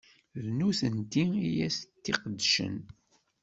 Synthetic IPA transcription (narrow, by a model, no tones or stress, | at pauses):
ðnuθənt̪iijæst̪ːiqəd̪ːʃə̰n